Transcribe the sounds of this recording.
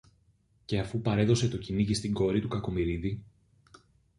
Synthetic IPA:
ce̞ɐfupɐɾe̞ðo̞se̞t̪o̞ciniʝist̪iŋɡo̞ɾit̪ukɐko̞miɾiði

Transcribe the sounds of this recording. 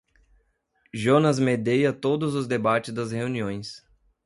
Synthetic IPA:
ʒonɐzmed̪ejɐt̪od̪ʊzʊzd̪ebat͡ʃɪzd̪ɐsheuniõj̃s

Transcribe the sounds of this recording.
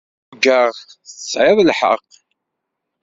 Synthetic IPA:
ɡəʁθəsʕɪðˤlħə̰q

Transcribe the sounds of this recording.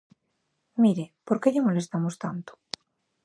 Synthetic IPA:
miɾepoɾkeʎamolest̪amost̪ant̪o̥

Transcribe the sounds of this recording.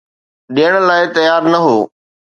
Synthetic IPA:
ɗijəɽ̃laːɪt̪ɐjaːɾnɐɦoː

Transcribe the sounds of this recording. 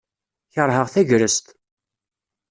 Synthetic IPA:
çəɾˤɦəʁθæʝɾəst̪

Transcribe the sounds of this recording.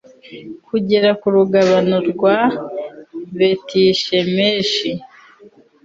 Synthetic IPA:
kuɟe̞ɾakuɾuɡaβanoɾɡwa | βetʰiːʃe̞meːʃi

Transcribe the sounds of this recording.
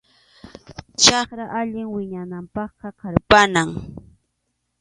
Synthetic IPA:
t͡ʃɑχɾaʔaʎɪŋwɪɲanampɑχqɑqɑɾpanaŋ

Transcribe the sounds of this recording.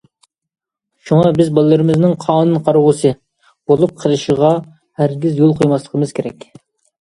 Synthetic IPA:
ʃuŋɑbɪzbɑlˠːɨɾɨmɪznɪŋqʰɑːnɨnqʰɑɾʁʊsɨ | b̥olˠup̚qʰəɾɨʃəʁɑ | hæɾɡʲizjolˠqʰojmɑslˠəqʰəmɨz̥kʲʰeɾɛkʲ

